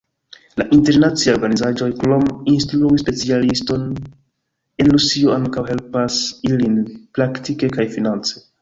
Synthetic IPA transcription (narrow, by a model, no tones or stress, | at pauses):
laʔinteɾnat͡sio̞ɾɡanizaʒo̞jklo̞minstɾuispe̞t͡sialisto̞n | e̞nɾusioaŋkawɦe̞lpasilinpɾaktike̞kajfinant͡se